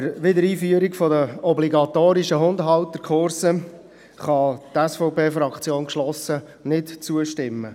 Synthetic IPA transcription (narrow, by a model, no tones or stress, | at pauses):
ɾʋɪdəɾiːfyəɾikfɔdəɔbliɡɑt̪oːɾiʃəɦʊndɦɑltːəɾkʰʊɾsə | χɑt̪ɛsfɔʊpʰeːfɾɑkt͡sjoːnkʃlɔsə | nɪtt͡suəʃtɪmːə